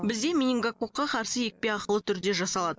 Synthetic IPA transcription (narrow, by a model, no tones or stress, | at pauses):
bɪzd̪e̞mʲinʲiŋɡakoqːɑqʰɑɾsəje̞k̚pe̞ɑqəlˠət̪ʰʏɾd̪e̞ʒɑsɑlˠɑd̪ə